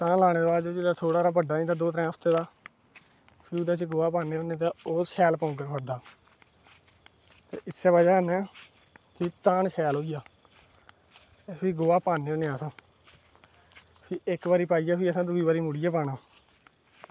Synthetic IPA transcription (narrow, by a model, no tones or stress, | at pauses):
t̪ãːlaːɽ̃eːd̪oaːd͡ʒoːd͡ʒɪat̪ʰoːɽaːɾaːbəɖaːnĩːt̪aːd̪oːt̪ɾɛ̃ːəpʰt̪eːd̪aː | pʰid̪aːt͡ʃɡoːaːpaːneːoːneːt̪aːoːsʰɛːlpɔ̃ːk̬əɾpʰəɽd̪aː | t̪ḛːʔɪsːɛːbad͡ʒaːənɛː | kɪt̪aːnʃʰɛːlɦoːijaː | epʰiːɡoːaːpaːnːeːõːneːaːsãː | pʰiɪkbaːɾiːpaːiːjaːpʰiːəsãːd̪uiːbaːɾiːmʊɽiːaːpaːɽaː